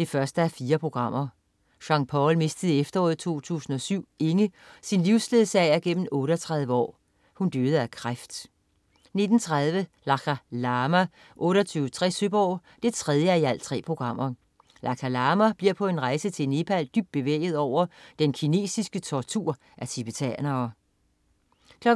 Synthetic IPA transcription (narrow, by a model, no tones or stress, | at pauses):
d̥e̝fɶɐsd̥əæfiːɐpʰʁo̝ɡ̥ʁɑ̈m̰ɐ | ɕɑ̈ŋpʰɒlme̝sd̥əð̩ˠefd̥ɐɔ̰ːð̩ˠt͡sʰo̝̰ːt͡sʰṵːsn̩ɒ̽syʊ̰e̝ŋə | sinliʊsle̝ð̩ˠsɛɪæɐɡ̥en̰m̩ɔ̽ːɾəɒt͡sʰʁɑ̈ð̞ˠʋəɒ̰ː | hund̥øːð̞̩ˠækʰʁafd̥ | ne̝d̥n̩t͡sʰʁað̞ˠʋəlɑ̈kʰælɑːmæ | ʔɔ̽ːɾɐt͡sʰyːʊət͡sʰʁɛ̰søb̥ɒʊ | d̥e̝t͡sʰʁɛð̞ˠjəæiæl̰t͡sʰʁɛ̰ːpʰʁo̝ɡ̥ʁɑ̈m̰ɐ | lʔɑ̈kʰælɑːmæb̥liɐ̰pʰɒ̽e̝nʁɑ̈ɪsət͡sʰe̝lne̝pʰæld̥yb̥̚d̥̚b̥e̝ʋḛːɪð̞̩ˠɒʊ̰ɐd̥enkʰine̝̰ːsisɡ̥ət͡sʰɒt͡sʰuɐ̰ | ʔæt͡sʰib̥et͡sʰæ̰nɐː | kʰlɒ